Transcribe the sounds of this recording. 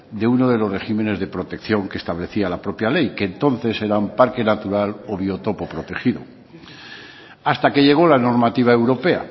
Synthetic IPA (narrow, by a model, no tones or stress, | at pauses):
d̪e̞uno̞ð̞e̞lore̞xime̞ne̞zðe̞pɾo̞t̪e̞kθjo̞ŋkest̪aβle̞θialapɾo̞pjale̞jke̞ːnt̪o̞nθe̞se̞ɾampaɾke̞nat̪uɾalo̞β̞io̞t̪o̞po̞pɾo̞t̪e̞xiðo̰ | ast̪ake̞ʎe̞ɣ̞o̞lano̞ɾmat̪iβ̞ae̞wɾo̞pe̞a̰